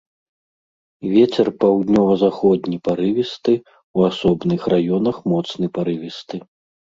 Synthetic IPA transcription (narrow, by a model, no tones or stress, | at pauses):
vʲet͡sʲɛrpawd̪ʲnʲɔvɐzaxɔd̪nʲipaɾɨvʲist̪ɨ | uasɔbnɨxrajɔnɐxmɔt̪snɨpaɾɨvʲist̪ɨ